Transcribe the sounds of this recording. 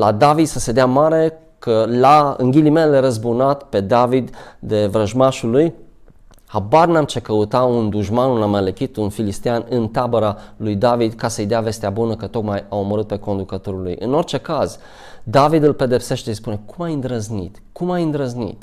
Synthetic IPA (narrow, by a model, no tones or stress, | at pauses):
lad̪avid̪səse̞d̪eamaɾe̞ | kʰəlaɨ̰ŋɡʲilimeleɾəzbunat̪pe̞d̪avid̪d̪e̞vɾəʒmaʃuluj | habarnamt͡ʃekəut̪aund̪uʒmanunaməlekʲit̪unfilist̪eanɨnt̪abəɾalujd̪avid̪kasəjd̪eave̞st̪eabunəkət̪o̞kmajauməɾɨt̪̚pe̞ko̞nd̪ukət̪o̞ɾulṵjʔɨno̞rt͡ʃe̞kaz | d̪avid̪ɨlpe̞d̪e̞pse̞ʃt̪eispune̞kʰumajɨnd̪ɾəznḭt̪kumajɨnd̪ɾəznḭt̪